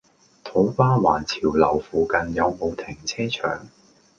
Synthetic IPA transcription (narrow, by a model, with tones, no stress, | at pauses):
t̪ʰo˨˥wkaː˥waː˨˩nt͡sʰiː˨˩wlɐ̰˨˩wfuː˨˩kɐ˨njɐ˨˧wmo˨˧wt̪ʰɪ˨˩ŋt͡sʰɛː˥t͡ʃʰœ̰ː˨˩ŋ